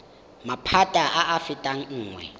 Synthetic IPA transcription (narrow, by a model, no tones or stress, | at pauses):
mapʰatʼaʔaʔːfɪtʼaŋ̩ŋ̩ːŋwɛ̰